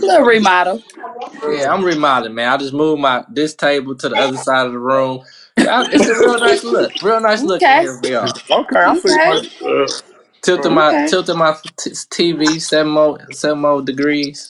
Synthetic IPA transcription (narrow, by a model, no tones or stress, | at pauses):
əɹimɑɾl̩ˠjæãɪ̃mɹimaɾɨd̚mæ̃naɪd͡ʒʌsmuvmaɪdɪstʰeɪbl̩ˠtʰɨðiʌðə˞saɪɾʌvðəɹũm | ãɪɪtsɨɹɪlˠnaɪslʊkɹɪlˠnaɪslʊkfwiəoʊkʰeɪãɪ̃i | tʰɪlˠtəmaɪtʰɪlˠtəmaɪtʰtʰivisɛṽn̩mosɛvn̩moʊdɨɡɹiz̥